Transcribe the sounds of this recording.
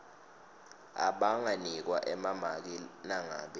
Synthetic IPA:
a̰ɓaŋanik̬waʔɛmamak̬inaŋa̰ːɓɛ

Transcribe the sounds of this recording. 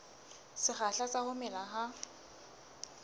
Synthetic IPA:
sɪχaɬasahʊmɛlaɦa

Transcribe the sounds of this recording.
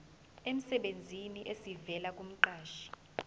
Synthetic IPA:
em̩sɛɓend͡zʱiniʔesivɛlak̬ʼum̩ǃaːʃḁ

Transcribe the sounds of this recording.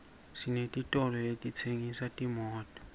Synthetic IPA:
sinetʼitʼɔlɔletʼit͡sʰeŋisatʼimɔːtʼɔ̥

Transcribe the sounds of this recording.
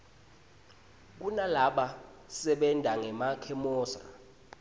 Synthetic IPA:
k̬unalaɓa | sɛɓɛndʱaŋɛmakʰɛmɔːsa̰

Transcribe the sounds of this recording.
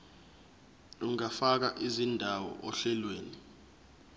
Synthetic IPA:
uŋafak̬aʔizindʱawɔ̰ʔɔɬɛlweːni

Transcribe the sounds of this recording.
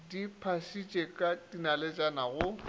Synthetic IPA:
dipʰasit͡ʃʼekʼatʼinalet͡ʃʼanaɣʊ

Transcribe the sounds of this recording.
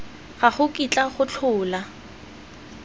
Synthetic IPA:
χaχʊkʼit͡ɬʼaχʊt͡ɬʰʊːla

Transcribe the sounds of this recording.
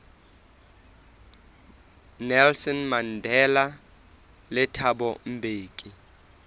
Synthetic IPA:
nɛlsɔnmandʱɛla | lɪtʰabɔm̩bʱeːkʼi

